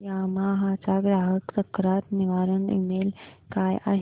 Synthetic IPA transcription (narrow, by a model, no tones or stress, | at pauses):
jamaɦat͡ʃaɡɾaːɦəʈt͡səkːɾaːt̪niʋaːɾəɳḭmeːl | kaːja̰ɦ